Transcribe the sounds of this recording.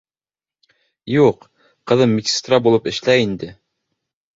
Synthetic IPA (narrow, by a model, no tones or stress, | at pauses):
juq | qɤ̆ðɤmʲːikʲi̥st̪rabulˠɤpɘ̆ʃlæind̪ɘ